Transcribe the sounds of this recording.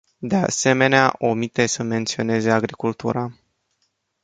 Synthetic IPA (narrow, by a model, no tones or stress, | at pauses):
d̪e̞a̰se̞me̞nea̰ʔo̞mit̪e̞səme̞nt̪sio̞ne̞ze̞aɡɾikult̪uɾa